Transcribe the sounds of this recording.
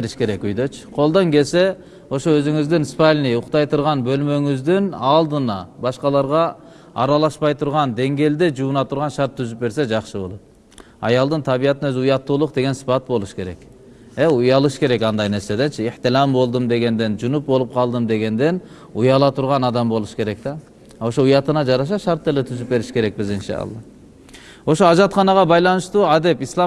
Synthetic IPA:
eɾiʃke̞ɾekyjd̪øt͡ʃqʰo̞lˠd̪oŋke̞lse̞ | o̞ʃoøzyŋyzd̪inspalʲnijʊqt̪ɑjt̪ʰuɾʁɑnbø̞lmøŋyzd̪inɑlˠd̪ɯnɑbɑʃqɑlˠɑɾʁɑ | ɑ̰ɾɑlˠɑʃpɑjt̪ʰuɾʁɑnd̪e̞ŋɡe̞ld̪ed͡ʒuːnɑt̪ʰuɾʁɑnʃɑɾt̪ʰːyzyp̚be̞ɾse̞d͡ʒɑqʃɯbo̞lˠot̪̚ | ɑ̰jɑlˠd̪ɯnt̪ʰɑβijɑt̪inøzɪujɑt̪ːuːlˠuq̚d̪e̞ɡe̞nsi̥pɑt̪̚bo̞lˠuʃkʰe̞ɾe̞k | eujɑlˠɯʃkʰe̞ɾɛkɑnd̪ɑjneɾsed̪ent͡ʃʰɪiħt̪ɪlˠɑmbo̞lˠd̪ɨmd̪e̞ɡʲend̪end͡ʒunup̚bo̞lˠup̚qʰɑlˠd̪ɨmd̪eɡʲend̪en | ujɑlˠɑt̪ʰuɾʁɑnɑd̪ɑmbo̞lˠuʃkʲʰe̞ɾɛk̚t̪ɑ | oʃoujɑt̪ɯnɑd͡ʒɑɾɑʃ̬ɑʃɑɾt̪ːelet̪ʰyzyp̚be̞ɾɪʃkʲʰe̞ɾɛk̚bɪzinʃɑ̰ɑ̰lˠːɑ̰ | oʃoɑʒɑt̪χɑnɑʁɑbɑjlˠɑnɨʃt̪uːɑd̪epislˠɑ

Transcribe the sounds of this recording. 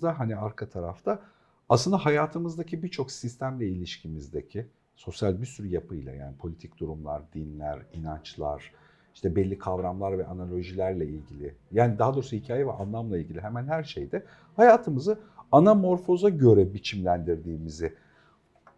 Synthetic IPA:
d̪aɦaniaɾkʰat̪ʰaɾa̰ft̪ʰaː | slɯnd̪aɦajaːt̪ʰɯmɯzd̪acʰibiɾt͡ʃʰo̞ksist̪ʰæmlʲɛilʲiʃcʰimizd̪ecʰɪ | so̞sjalʲbiɾsyɾyjapʰɯjlˠa̰ja̰ːnipʰo̞lʲit̪ʰicd̪̥uɾumlˠa̰ɾd̪inlʲæɾinant͡ʃlˠa̰ɾ̥ | iʃt̪ʰɛbɛlʲːikʰavɾamlˠaɾvɛʔanalʲˠo̞ʒilʲæɾlʲɛilʲɟilʲɪjaːnid̪aɦad̪oɾsuhicʰaːjɛvɛʔanlˠamlˠailʲɟilʲiɦɛmænhæɾʃḛjd̪ɛ | hajaːt̪ʰɯmɯzɯanamo̞ɾfo̞zaɟø̞ɾɛbit͡ʃʰimlʲænd̪iɾd̪iːmizɪ

